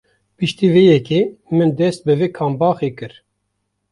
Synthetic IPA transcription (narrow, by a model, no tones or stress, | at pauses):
pɨʃt̪iːvejɛkeːmɨnd̪ɛst̪̚bɨveːkʰɑːmbɑːxekɨɾ